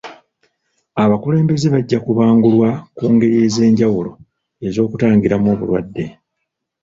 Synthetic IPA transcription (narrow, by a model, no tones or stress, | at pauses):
aβakule̞ːmbe̞zeβaɟːakuβaːŋɡulwakuːŋɡe̞ɾije̞ze̞ːɲɟawulo̞ | e̞zo̞ːkutaːŋɡiɾamoːβṵlwa̰dːe̞